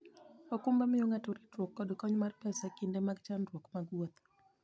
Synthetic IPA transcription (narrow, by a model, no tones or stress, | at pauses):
ɔkumbamɪjoŋatoɾitwokːɔdkɔɲmarpɛsakindemaɡt͡ʃandwokmaɡwot̪